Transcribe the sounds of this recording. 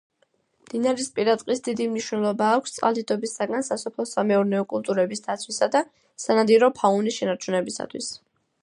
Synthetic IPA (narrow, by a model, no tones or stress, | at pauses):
md̪̥inaɾispʼiɾat̪ʼqʼisd̪id̪imniʃwnɛlˠɔbaːkʷʰst̪sʼqʼalˠd̪id̪ɔbisaɡansasɔpʰlˠɔsamɛɔɾnɛɔkʼulˠt̪ʼuɾɛbisd̪at̪sʰwisad̪a | sanad̪iɾɔpʰaunisʃɛnaɾt͡ʃʰunɛbisa̰t̪ʰwḭs